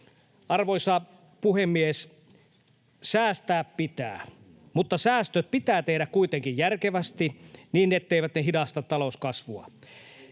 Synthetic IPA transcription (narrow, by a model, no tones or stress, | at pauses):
ɑrʋojsɑ | puhemːies | sæːst̪æːppit̪æ̰ː | mut̪ːɑsæːst̪øt̪̚pit̪æːt̪ehdækkuit̪eŋkijjærkeʋæst̪iniːnːet̪ːeiʋæt̪neɦidɑst̪ɑt̪ɑloskɑsʋuɑ̰